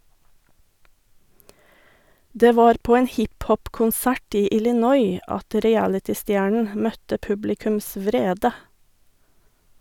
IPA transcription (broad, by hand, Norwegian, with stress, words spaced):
ˈdeː ˈʋɑːɾ ˈpoː ˈeːn ˈhɪpˌhɔpkʊnˌsæʈ ˈiː ɪlɪˈnɔʏ ˈɑt ɾɪˈælɪtɪˌstjæːɳɳ̩ ˈmœtə ˈpʉblɪkʉms ˈʋɾeːdə